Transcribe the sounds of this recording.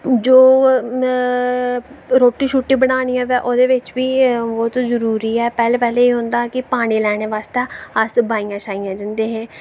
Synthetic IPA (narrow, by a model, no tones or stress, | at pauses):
d͡ʒoː | ɾoːʈiːʃuːʈːĩːbəɽ̃aːnijãːʋɛːʔoːd̪eːʋɪt͡ʃʋiːbɔːt̪zəɾuːɾiːɛːpɛːlpɛːleːeːɦʊ̃nd̪aːkɪpaːɽ̃iːlɛːɽ̃eːʋaːst̪eːəsbaːijãːʃaːijãːd͡ʒənd̪eːɦɛ̃ː